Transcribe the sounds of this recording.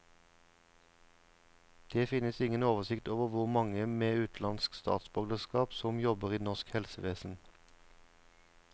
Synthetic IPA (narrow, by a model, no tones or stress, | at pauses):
d̪̥eːfɪnəsɪŋənoːʋəsɪkt̪oːʋəʁʋʊʁmɑŋəmeːʉːt̪ʰlɑnskst̪ɑ̰ːt̪sbœɡd̪əskɑːpsɔmjɔbəʁiːnɔʃkhɛlsəʋeːsn̩